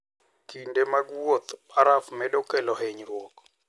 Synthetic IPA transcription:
kindemaɡwot̪paɾafmɛɗɔkɛlɔɦeɲɾwɔk

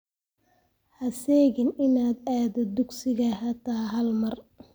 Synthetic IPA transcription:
hɐsɛːɣɪnɪnaːd̪aːd̪ɛd̪ʊɡsɪɣɐhɐt̪ʰaːɦɐlmɐr

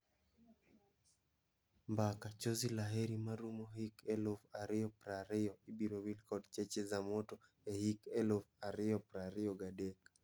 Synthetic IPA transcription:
mbakat͡ʃozilaɦeɾimaɾumoɦikelofaɾɪjɔpɾaɾɪjɔibiɾowilkɔdt͡ʃet͡ʃezamoto | ehikelofaɾɪjɔpɾaɾɪɔɡadek

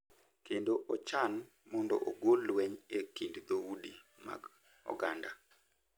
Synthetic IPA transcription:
kendoʔɔt͡ʃan | mɔndo̰ʔoɡolwɛɲekindd̪audima̰ɡ | ɔ̰ɡanda

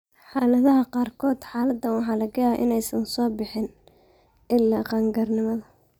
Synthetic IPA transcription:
ħɑːlɐðɐɦɐqɑːrkʰɔːd̪ħɑːlɐd̪ːɐwɑħɑːlɐɡɐjaːʔɪ̰nɛjsɐnsɔːbɪħɪn | ʔɪlːaːqɑːŋɡɐrnɪmɐðɐ

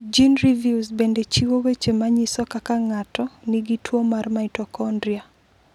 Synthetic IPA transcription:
d͡ʒinɾivjuzbendet͡ʃiwowet͡ʃemaɲisɔkakaŋatɔniɡitʰwomarmaitɔkɔndɾia

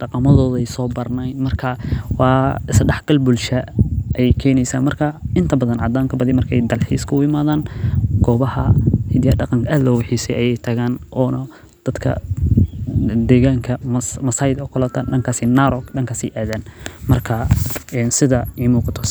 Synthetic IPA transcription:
ɖɑqɑmɐðɔːðɛjsɔːbɐrnɛj̪mɐrkʰɐwɑːɪsɖɛħɡ̥ɐlbʊlʃɐʔjɛjkʰɛːnɛjsa̰ːnmɐrkʰɐɪnt̪ʰɐbɐðɐnʕɑd̪aːŋkʰɐbɐðimɐrkʰɛjd̪ɐlħḭːskʰʊʊɪmaːðaːnɡ̥ɔːβɐhɐ̰hɪd̪jɐɖɑqɑŋkʰɐaːd̪lɔːwɑħiːsɛjʔɐjɛjt̪ʰɐɣaːnʔɔːnɐ | d̪̥ɐd̪kʰɐ̰ | d̪ɛːɣaːŋkʰɐmmɐsaːjɪd̪ɔkʰʊlɐt̪ʰɐɖɐŋkʰaːsɪnaɾɔkɗɐŋkʰaːsḭjʔɛːðaːnmɐrkʰɐɛnsɪðɐiːmuːqɑt̪ʰɔ

